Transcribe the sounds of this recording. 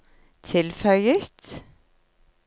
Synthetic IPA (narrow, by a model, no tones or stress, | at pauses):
t̪ʰɪlfœʏət̪